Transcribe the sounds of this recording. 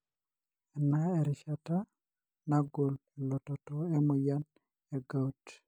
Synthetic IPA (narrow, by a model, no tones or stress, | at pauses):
ɛnaɛɾɪʃata | naɡollɔtɔtɔɛmujan | eɡaut